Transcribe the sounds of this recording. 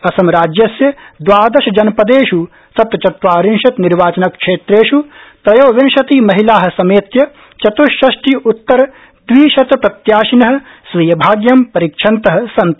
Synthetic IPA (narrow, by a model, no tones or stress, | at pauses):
ɐsɐmɾaːd͡ʒjɐsjɐd̪ʋaːd̪ɐʃɐd͡ʒɐnpɐd̪eːʃu | sɐt̪ɐt͡ʃɐt̪ʋaːɾinʃɐt̪niɾʋaːt͡ʃɐnɐkʂeːt̪ɾeːʃupɾɐjoːʋenʃɐt̪imɐɦilaːɦɐ̆sɐmeːt̪jɐ | t͡ʃɐt̪uʃɐʃʈiut̪ːɐɾɐ | d̪ʋiːʃɐt̪pɾɐt̪jaːʃinɐɦɐ̆ | sʋijɐbʱaːɡjɐmpɐɾikʂʰɐnt̪ɐɦɐ̆sɐnt̪